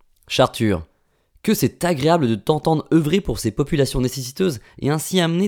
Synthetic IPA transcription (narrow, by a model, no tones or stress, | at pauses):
ʃaʁt̪ʰyːʁ | kʲəsɛt̪aɡʁeabləd̪ət̪ɑ̃t̪ɑ̃d̪ʁəvʁepuʁsepɔpylasjɔ̃nesesit̪øzḛɛ̃siamne